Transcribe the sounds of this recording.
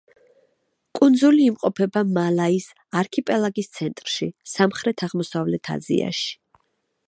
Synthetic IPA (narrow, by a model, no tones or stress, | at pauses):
kʼund̪zuliːmqʼɔpʰɛbamalais | aɾkʰipʼɛlˠaɡist̪sʰɛnt̪ʼɾʃisamχɾɛt̪ʰaʁmɔsavlɛt̪ʰa̰zḭa̰ʃi̥